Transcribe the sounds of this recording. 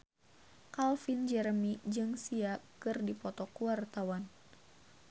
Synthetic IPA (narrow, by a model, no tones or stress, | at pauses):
kalfind͡ʒɛɾmid͡ʒɨŋsiakɨrdipɔt̪ɔkuart̪awan